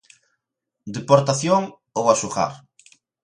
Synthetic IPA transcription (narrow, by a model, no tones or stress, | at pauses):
d̪epoɾt̪aθjoŋ | owasuxa̰ɾ